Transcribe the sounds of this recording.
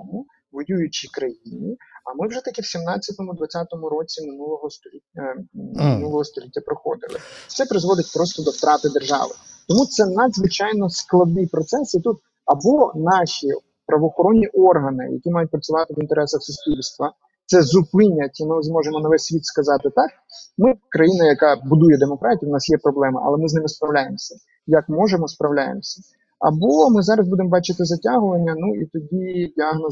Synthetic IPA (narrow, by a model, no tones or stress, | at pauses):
mʊ | ʋɔjʲujʊt͡ʃikɾɐjinʲiɐmɪwʒɛt̪ɐkiwsʲimnɑt͡sʲːɐt̪ɔmʊd̪ʋɐt͡sʲat̪ɔmʊɾɔt͡sʲimɪnulˠɔɦɔst̪ɔlʲi | mɪnulˠɔɦɔst̪ɔlʲitʲːɐpɾɔxɔ̰d̪ɪlˠɪ̰t̪sɛpɾɪzʋɔd̪ɪt̚ʲpɾɔst̪ɔd̪ɔwt̪ɾɑt̪ɪd̪erʒɑ̰ʋɪ̰t̪ɔmut̪sɛnɐd̪zʋɪt͡ʃɑjnɔsklˠɐd̪nɪjpɾɔt̪sɛsit̪ut̪ | ɐbɔnɑʃi | pɾɐʋɔxɔɾɔnʲːiʔɔrɦɐnɪ̰jɐ̰kʲimɑjʊt̚ʲpɾɐt͡sʲʊʋɑt̪ɪʋint̪eɾɛsɐxsʊsʲpʲilʲst̪ʋɐ | t̪sɛzʊpɪnʲɐtʲimɪzmɔʒemɔnɐʋɛsʲtʲsʲʋʲit̪skɐzɑt̪ɪt̪ɑk̚ | mɪkɾɐjinɐjɐkɑbʊd̪ujɛd̪emɔkɾɑtʲiwnɑsjɛpɾɔblˠɛmɐʔɐ̰lˠɛmɪznɪmɪspɾɐwlʲajemsʲɐ | jɐkmɔʒemɔspɾɐwlʲajḛmsʲɐ̥ | ɐ̰bɔmɪzɑɾɐsbud̪emɔbɑt͡ʃɪt̪ɪzɐtʲaɦʊʋɐnʲːɐnuit̪ɔdʲidʲiaɦnɔ